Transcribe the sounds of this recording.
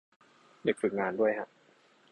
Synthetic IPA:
de˨˩k̚fɯ˨˩k̚ŋaː˧ndu˥˩əjkʰa˦˥ʔ

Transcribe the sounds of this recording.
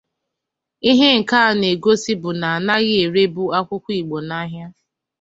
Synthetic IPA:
i˦ɦe˦ŋ̩˨ka˦a˨ne˨ɡo˦si˦bʊ˨na˨a˨na˦ɣɪ˦e˨ɾe˦bu˦a˦kʷʊ˦kʷii˨ɡ͡bo˨na˦ɦja˦

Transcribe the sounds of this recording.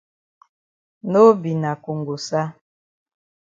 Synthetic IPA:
no˦bi˨na˨ku˨ŋɡo˨sa˦

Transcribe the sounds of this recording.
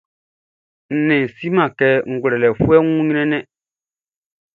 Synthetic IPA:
n̩˨nɪ̃˨si˦mã˨kɛ˦ŋ̩˨ɡʷɾɛ˨lɛ˨fu˦ɛ˦ŋʷ˦ũ˦ɲi˦nɛ̃˦nɛ̃˦

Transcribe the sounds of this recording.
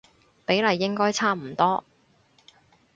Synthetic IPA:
pe˨˥jlɐ˨˧jːɪ˥ŋkɔː˥jt͡sʰaː˥m̩˨˩t̪ɔː˥

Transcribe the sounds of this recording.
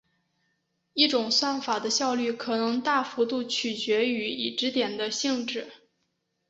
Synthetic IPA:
i˥˩ʈ͡ʂʊ˨˩ŋswa˥˩nfa˨˩d̪ə˦ɕjɑ˥˧ʊly˥˩kʰɤ˨˩nɤ˧˥ŋt̪a˥˩fu˧˥t̪u˥˩t͡ɕʰy˨˩t͡ɕɥɛ˧˥y˧˥i˨˩ʈ͡ʂɻ̩˧˥t̪jɛ˨˩nd̪ə˦ɕi˥˧ŋʈ͡ʂɻ̩˥˩

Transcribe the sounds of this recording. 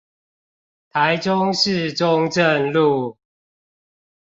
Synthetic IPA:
t̪ʰa˨˦ɪʈ͡ʂʊ˦ŋʂɻ̩˥˨ʈ͡ʂʊ˦ŋʈ͡ʂə˥˨nlu˥˨

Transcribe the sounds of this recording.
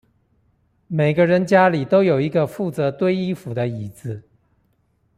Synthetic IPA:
me˨˩ɪɡə˦ɻə˧˥nt͡ɕja˥li˨˩t̪o˥ʊjo˨˩ʊi˧˥ɡə˧fu˥˩t͡sɤ˧˥t̪we˥ɪi˥fu˨˩d̪ə˦i˨˩d͡zɹ̩˧˩

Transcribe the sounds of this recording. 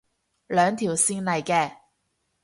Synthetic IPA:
lœː˨˧ŋt̪ʰiː˨˩wsiː˧nlɐ˨jkɛː˧

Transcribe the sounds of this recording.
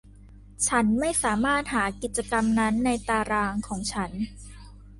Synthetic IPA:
t͡ɕʰa˦˥nma˥˩jsaː˩˦maː˥˩t̪̚haː˩˦ki˨˩t̪̚t͡ɕa˧ka˧mna˦˥nːa˧jt̪aː˧ɾaː˧ŋkʰɔː˩˦ŋt͡ɕʰa˦˥n

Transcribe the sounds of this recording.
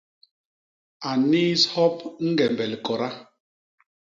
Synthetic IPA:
a˨ni˦shɔ˦pŋ̩˦ɡɛ˨mbɛ˨li˨kɔ˨ɾa˦

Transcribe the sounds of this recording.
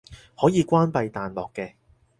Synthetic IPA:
hɔː˨˥jiː˨˧kʷaː˥npɐ˧jt̪aː˨nlɔː˨kːɛː˧

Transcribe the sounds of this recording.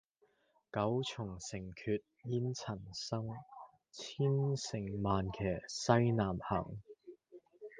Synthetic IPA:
kɐ˨˥wt͡sʰʊ˨˩ŋsɪ˨˩ŋkʰyː˧t̚jiː˥nt͡sʰɐ˨˩nsɐ˥ŋ | t͡sʰiː˥nsɪ˨˩ŋmaː˨nkʰɛː˨˩sɐ˥jnaː˨˩mhɐ̰˨˩ŋ

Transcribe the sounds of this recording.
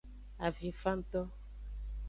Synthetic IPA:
a˨vji˨fa˦n̩˦tɔ˦

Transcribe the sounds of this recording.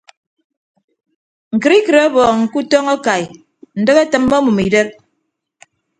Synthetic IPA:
ŋ̩˨kɨ˨ɾi˦kɨ˨ɾe˦bɔː˨ŋ̩˨ku˦tɔ˦ŋa˦ka˨j | n̩˨dɨ˦ɣe˦tɨ˨mːo˦mu˨mi˨de˦p̚

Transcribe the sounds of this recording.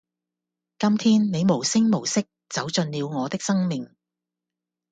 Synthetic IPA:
kɐ˥mt̪ʰiː˥nne˨˧jmo˨˩wsɪ˥ŋmo˨˩wsɪ˥k̚t͡sɐ˨˥wt͡sɵ˧nliː˨˧wŋɔː˨˧t̪ɪ˥k̚sɐ˥ŋmɪ˨ŋ

